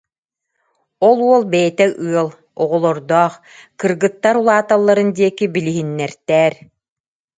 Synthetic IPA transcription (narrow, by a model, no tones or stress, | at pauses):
ɔlˠuɔlˠbɛjɛt̪ɛʔɯɐlˠ | ɔʁɔlˠɔɾd̪ɔːχ | kɯɾɡɯt̪ːaɾulˠaːt̪alˠːaɾɯnd̪iɛkibiliɦinːɛɾt̪ɛːɾ